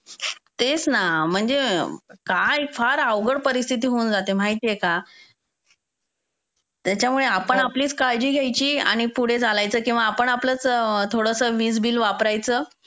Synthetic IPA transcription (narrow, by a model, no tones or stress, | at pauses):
t̪et͡snam̤əɳd͡zekajfaɾaʋɡəɽpəɾist̪ʰit̪̬iːɦound͡zat̪emaɦit̪ijeka | t̪jat͡ɕjamuɭeapəɳapliːt͡skaɭd͡ʑiːɡʱjajt͡ɕiːa̰ɽ̃ipuɽ̤ed͡zʱalajt͡səːkĩw̃ʋaːpəɳaplət͡st̪ʰoɽəsəːʋiːd͡zbiːlʋapɾajt͡səː